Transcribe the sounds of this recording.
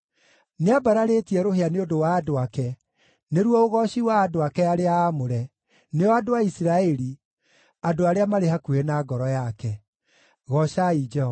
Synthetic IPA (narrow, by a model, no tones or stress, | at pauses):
neabaɾaɾetiɛɾoɦeaneodowaːdoakɛ | neɾwɔoɣɔɕiwaːdoakɛaɾeaːmoɾɛ | neɔadoaisiɾaɛɾi | adoaɾeamaɾehakuenaɡɔɾɔjakɛ | ɣɔʃaid͡ʒɛhɔ